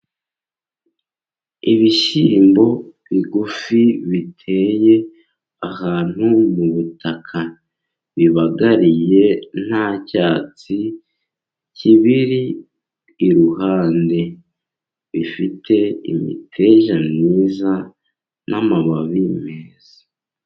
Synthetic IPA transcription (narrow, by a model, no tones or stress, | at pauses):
iβiʃiːmbo̞βiɡufiβitʰe̞je̞ | ahaːn̥humuβutʰakʰa | βiβaɡaɾije̞n̥hacaːt͡si | ciβiɾiː | ɾuɦaːnde̞ | βifitʰe̞ḭmḭtʰe̞ʒamniːza | nʔamaβaβimeːzḁ